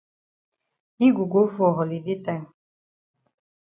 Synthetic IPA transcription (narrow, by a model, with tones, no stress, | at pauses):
i˦ɡu˨ɡo˦fu˦ɔ˨ɦɔ˨li˨di˦tɛ˦ŋ˨